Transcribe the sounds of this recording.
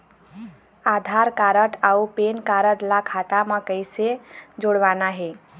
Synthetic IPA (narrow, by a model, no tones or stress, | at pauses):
ad̪ʱaɾkaɾəʈaupenkaɾəʈlakʰat̪aməkəjsed͡ʒoɽʋanaɦe